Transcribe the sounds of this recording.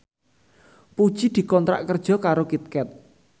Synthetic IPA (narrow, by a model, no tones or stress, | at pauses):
pud̥ʒ̥id̪̥i̤kɔnt̪ɾa̰ʔkərd̥ʒ̥ɔ̤kaɾokit̪̚kɛt̪̚